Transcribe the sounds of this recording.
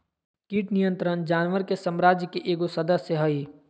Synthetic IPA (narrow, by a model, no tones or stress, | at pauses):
kiːʈnijə̃nt̪ɾənd͡ʒaːnʋəɾkesəmɾaːd͡ʒjkeʔeːɡosəd̪əsjəɦəi